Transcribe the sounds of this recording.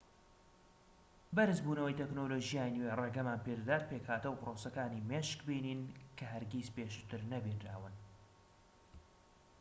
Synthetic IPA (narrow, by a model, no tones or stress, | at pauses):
bɐɾɨzbuːnɐwəjt̪ʰeknoːloːʒijaːjnwereɡɐmaːnpeɾd̪aːt̪̚pekhaːt̪ɨwproːsɐkaːniːmeːʃkbiːniːnkʰɐɦɐɾɡizpeːʃu̥t̪ɨɾnɐbinɾa̰ːwɨn